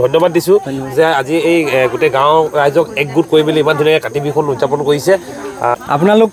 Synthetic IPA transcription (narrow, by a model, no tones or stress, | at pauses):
dʱɔjnːɔbad̚ːisʊ̃zɛaziejɡutɛɡãwɹajzɔkɛk̚ɡut̚koɹibiliimantʰunakɛkatibʱikʰɔnuzapɔnkoɹisɛ | a̰p̬unalok